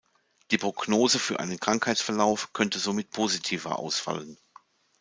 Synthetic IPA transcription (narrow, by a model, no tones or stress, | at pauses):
d̥iːpʁ̥oɡ̥noːzəfyːɐʔa̰ɪnənkʁ̥aŋkhaɪtsfɛɐlaʊfkʰœntəzomɪt̚pʰoːzitʰiːvɐ̰ʔa̰ʊsfa̰lən